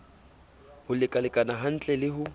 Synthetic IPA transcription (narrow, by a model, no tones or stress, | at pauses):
hʊlɪkʼalɪkʼanaɦan̩t͡ɬʼɛlɪɦʊ